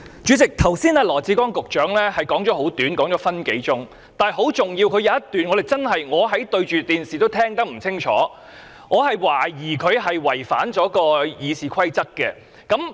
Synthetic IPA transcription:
t͡ʃyː˨˧˥t͡sɪ˨k̚t̪ʰɐ˨˩wsiː˥naː˧lɔː˨˩t͡siː˨˥kɔː˥ŋkʊ˨k̚t͡ʃœː˨˥ŋlɛː˥hɐ˨jkɔː˨˥ŋt͡sɔː˨˥ho˨˥wt̪yː˨˥nkɔː˨˥ŋt͡sɔː˨˥fɐ˥nke˨˥jt͡sʊ˥ŋ | t̪aː˨jɦo˨˥wt͡sʊ˨ŋjiː˧wkʰɵ˨˧ɥjɐ˨˧wɐ˥t̪yː˨nŋɔː˨˧d̪e˨˩jt͡sɐ˥nɦɐ˨jŋɔː˨˧ɦɐ˨˥jt̪ɵ˧ɥt͡ʃyː˨t̪iː˨nsiː˨t̪o˥wt̪ʰɛː˥ŋt̪ɐ˥k̚m̩˨˩t͡sʰɪ˥ŋt͡ʃʰɔ̰ː˨˥ | ŋɔː˨˧hɐ˨jwaː˨˩jiː˨˩kʰɵ˨˧ɥɦɐ˨jwɐ˨˩jfa̰ː˨˥nt͡sɔː˨˥kɔː˧jiː˨˧siː˨kʰɐ˥jt͡sɐ˥k̚kːɛː˧ | kɐ˨˥m

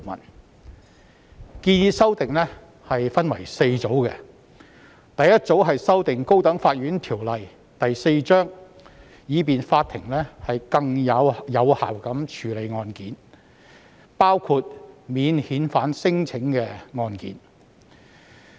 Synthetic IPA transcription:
mɐ̰˨˩n | kiː˧njiː˧sɐ˥wt̪ɪ˨ŋlɛː˥ | hɐ˨jfɐ˥nwɐ̰˨˩jse˧jt͡so˨˥wkɛ̰˧ | t̪ɐ˨jːɐ˥t̚t͡so˨˥wɦɐ˨jsɐ˥wt̪ɪ˨ŋko˥wt̪ɐ˨˥ŋfaː˧t̚ɥyː˨˥nt̪ʰiː˨˩wlɐ˨j | t̪ɐ˨jse˧jt͡ʃœː˥ŋ | jiː˨˧p̬iː˨nfaː˧t̪ʰːɪ˨˩ŋlɛː˥hɐ˨jkɐ˧ŋjɐ˨˧wjɐ˨˧wha̰ː˨˩wkɐ˨˥mt͡ʃʰyː˨le˨˧jŋɔː˧nkiː˨˥n | paː˥wkʰu˧t̚miː˨˧nhiː˨˥nfaː˨˥nsɪ˥ŋt͡sʰɪ˨˥ŋkɛː˧ŋɔː˧nkḭː˨˥n

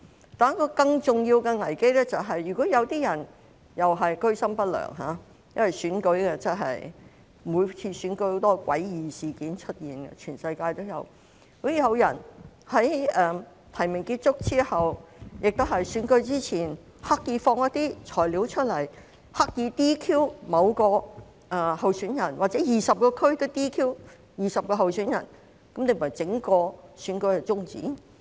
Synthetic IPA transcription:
t̪aː˨n˥kːɔː˧kɐ˧ŋt͡sʊ˨ŋji˧wkɛ˧ŋɐ˨˩jke˥jlɛː˥t͡sɐ˨wɦɐ˨jːyː˨˩kɔː˨˥jɐ˨˧wt̪iː˥jɐ˨˩n | jɐ˨wɦɐ˨jkɵ˥ɥsɐ˥mpɐ˥t̚lœ̰ː˨˩ŋɦa̰ː˨˧˦ | jɐ˥nwɐ˨jsyː˨˥nkɵ˨˥ɥkɛ˧t͡sɐ˥ɦɐ̰˨j | muː˨˧jt͡sʰiː˧sy˨˥nkɵ˧˥ho˨˧˥t̪ɔː˥kwɐ̰˨˥jjiː˨siː˨kiː˨˥nt͡ʃʰɵ˥t̚jiː˨˩nkɛ̰˧t͡ʃʰyː˨˩nsɐ˧jkaː˧jt̪o˥wjɐ˨˧w | ho˨˥jiː˨˧jɐ˨˧wjɐ˨˩n | hɐ˨˥jʔɛ˨˧ | t̪ʰɐ˨˩jmɪ˨˩ŋkiː˧t̚t͡sʊ˥k̚t͡siː˥hɐ˨wjɪ˨k̚t̪o˥hɐ˨jsyː˨˥nkɵ˧ɥt͡siː˥t͡sʰiː˨˩n | ha˥k̚jiː˧fɔː˧ŋjɐ˥t̪̚iː˥t͡sʰɔː˨˩jliː˨˥wt͡ʃʰɵ˥t̚lɐ˨˩j | ha˥k̚jiː˧t̪iː˥kʰiː˥wmɐ˨˧wkɔː˧ | ʔɛ˨˧hɐ˨wsyː˨˥njɐ˨˩nwaː˨˩t͡sɛ˨˦˥jiː˨sɐ˨p̚kɔː˧kʰɵ˥ɥt̪ɪ˥t̪iː˥kʰiː˥w | jiː˨˩sɐ˨p̚kɔː˧ɦɐ˨wsyː˨˥njɐ̰˨˩n | kɐ˨˥mne˧m̩˩˨˩ɐ˨˩jt͡sɪ˨˥ŋkɔː˧syː˨˥nkɵ˧ɥɛ˧t͡sʊ˥ŋt͡sḭː˨˥n

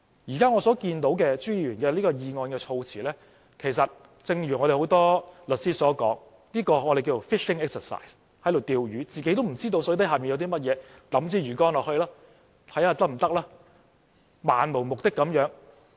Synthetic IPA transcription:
jiː˨˩kaː˥ŋɔː˨˧sɔː˨˥kiː˧nt̪o˨˥wkɛː˧t͡ʃyː˥jiː˨˧jyː˨˩nkɛː˧liː˥kɔː˧jiː˧ŋɔː˧nkɛː˧t͡ʃʰo˧wt͡sʰiː˨˩lɛː˥ | kʰe˨˩js̬ɐ˨t̚ | t͡sɪ˧ŋɥyː˨˩ŋɔː˨˧ɾe˨˩ho˨˧˥wt̪ɔː˥lɵ˨t̚siː˥sɔː˨˥kɔ̰ː˨˥ŋ | liː˥kɔː˧ɔ˨˧ɾe˨kiː˧t͡so˨˩wfɪ˥ʃɪ˥ŋɛː˥k̚sə˨˩sa̰˨˩js | hɐ˨˥jlo˨wt̪iː˧wjyː˨˥t͡siː˨ke˨˥jt̪o˥wm̩˨˩t͡siː˥t̪o˧wsɔː˧˥˨t̪ɐ˥jhaː˨˩pi˨jwt̪i˥mɐ˥t̚jɛː˨˧t̪ɐ˨˥mt͡siː˧˩ɥyː˨˩kɔː˥nlɔː˨˩khɵ˧laː˥ | t̪ʰɐ˨˥jhaː˧t̪ɐ˥m̩˨˩t̪ɐ˥k̚laː˥ | maː˨nmo˨˩mʊ˨k̚t̪ɪ˥kːɐ˨˧˥mjœː˨˥ŋ

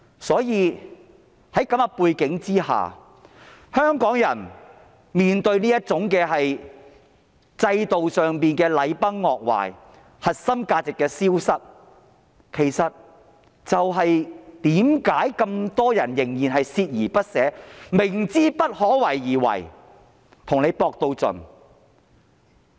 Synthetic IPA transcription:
sɔː˨˥jiː˨˧ | hɐ˨˥jkɐ˨˥mɐ˧puː˧jkɪ˨˥ŋt͡siː˥ha̰ː˨ | hœː˥ŋkɔː˨˥ŋjɐ̰˨˩n | miː˨nt̪ɵ˧ɥniː˥jɐ˥t̚t͡sʊ˨˥ŋkɛː˧ɦɐ˨j | t͡sɐ˧jt̪o˨wsœː˨ŋpiː˨nkɛː˧lɐ˨˧jpɐ˥ŋːɔː˨k̚wa̰ː˨j | hɐ˨t̚sɐ˥mkaː˧t͡sɪ˨kːɛː˧siː˥wsɐ˥t̚ | kʰe˨˩jsɐ˨t̚ | t͡sɐ˨wɦɐ˨jt̪iː˨˥mkaː˨˥jkɐ˧mt̪ɔː˥jɐ˨˩njɪ˨˩ŋjiː˨nɦɐ˨jsiː˧t̚jiː˨˩pɐ˥t̚sɛː˨˥mɪ˨˩ŋt͡siː˥pɐ˥t̚hɔː˨˥wɐ˨˩jːiː˨˩wɐ̰˨˩j | t̪ʰʊ˨˩ŋne˨˧jpɔː˧k̚t̪o˧wt͡sɵ̰˨˩n

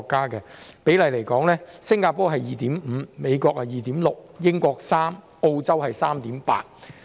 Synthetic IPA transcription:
kːaː˥kɛː˧pe˨˥jlɐ˨˧jle˨˩jkɔː˨˥ŋlɛː˥sɪ˥ŋkaː˧pɔː˥ɦɐ˨jjiː˨t̪iː˨˥m̩˨˩˧me˨˧jkɔː˧k̚ɐ˨˩jiː˨˩t̪iː˨˥mlʊ˨k̚jɪ˥ŋkɔː˧k̚saː˥m | o˧wt͡sɐ˥whɐ˨jsaː˥mt̪iː˨˥mpa̰ː˧˥t̚

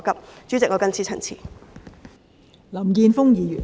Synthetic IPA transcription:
kɐ˨p̚t͡ʃyː˨˥t͡sɪ˨k̚ŋɔː˨˧kɐ˥nt͡sʰiː˧t͡sʰɐ˨˩ŋt͡sʰḭː˨˩ | lɐ˨˩mkiː˧nfʊ˥ŋjiː˨˧jyː˨˩

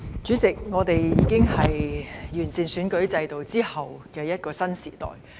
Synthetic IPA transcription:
t͡ʃyː˨˥t͡sɪ˨k̚ŋɔː˨˧t̪e˨jjiː˨˧˥kɪ˥ŋhɐ˨jːyː˨˩nsiː˨nsyː˨˥nkɵ˨˥ɥt͡sɐ˧jt̪o˨wt͡siː˥hɐ˨wkɛː˧jɐ˥t̚kɔː˧sɐ˥nsiː˨˩t̪ɔ̰ː˨˩j

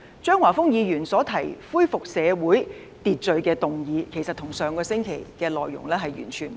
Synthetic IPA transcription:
t͡ʃœː˥ŋwaː˨˩fʊ˥ŋjiː˨˧jyː˨˩nsɔː˨˥t̪ʰɐ˨˩jfuː˥jfʊ˨k̚sɛː˨˧wuː˨˥j | t̪iː˨t̚t͡ʃɵ˨ɥkɛː˧t̪ʊ˨ŋjiː˨˧kʰe˨˩jsɐ˨t̪̚ʰʊ˨˩ŋsœː˨˧ŋkɔː˧sɪ˥ŋkʰe˨˩jkɛː˧lɔː˨jːʊ̰˨˩ŋlɛː˥ɦɐ˨jjy̰ː˨˩nt͡ʃʰyː˨˩n

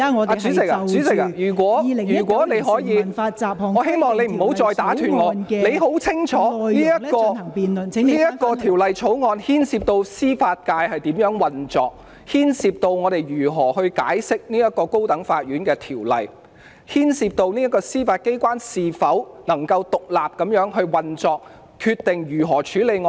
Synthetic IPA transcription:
a˨t͡syː˨˥sɪ˨k̚t͡syː˨˥t͡sɪ˨k̚a˧jyː˨˩kwɔː˨˥˨jyː˨˩kʷwːne˨˧jɦɔː˨˥jiː˨˧˨ŋɔ˨˧ɦe˥jmɔː˨ŋnle˨˧jm̩˨˩ho˨˥wt͡sɔː˧jt̪aː˨˥t̪ʰyː˨˩nŋɔː˨˧ne˨˧jɦo˨˥wt͡sʰɪ˥ŋt͡ʃʰɔː˨˥niː˥jɐ˥kɔː˧˨˩i˨niː˥jɐ˥kːɔː˧t̪ʰiː˨˩wlɐ˨jt͡ʃʰo˨˥wŋɔː˧nhiː˥nsi˧p̚t̪o˧wsiː˥faː˧t̚kaː˧jhɐ˨jt̪iː˨˥mjœː˨˥ŋwɐ˨nt͡sɔː˨k̚ | hiː˥nsiː˧p̚t̪o˧wŋɔː˨˧ɾe˨˩jɥyː˨˩ɦɔː˨˩hɵ˧ɥka̰ː˨˥jsɪ˥k̚niː˥jɐ˥t̚kɔː˧ko˥wt̪ɐ˨˥ŋfaː˧t̚ɥyː˨˥nkɛː˧t̪ʰiː˨˩wlɐ̰˨˩j | hiː˥nsi˧p̚t̪o˧wniː˥jɐ˥kːɔː˧siː˥faː˧t̚ke˥jkʷaː˥nsiː˨fɐ˨˥wnɐ˨˩ŋkɐ˧wt̪ʊ˨k̚laː˨p̚kɐ˨˥mjœː˨˥ŋɦɵ˧ɥwɐ˨nt͡sɔː˧k̚ | kʰyː˧t̚t̪ɪ˨ŋjyː˨˩ɦɔː˨˩t͡ʃʰyː˨˥le˨˧jŋɔ˧

